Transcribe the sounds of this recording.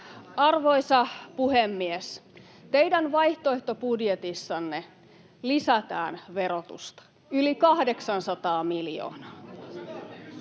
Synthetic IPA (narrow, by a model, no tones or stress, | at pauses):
ɑrʋo̞isɑpuhemːies | t̪e̞jdænʋɑjht̪oeht̪o̞pudjet̪isːɑnːe | lisæt̪æ̰ːnʋe̞ɾot̪ṵst̪ɑ̥ | ylikɑhde̞ksɑnsɑt̪ɑːmiljo̰ːnɑː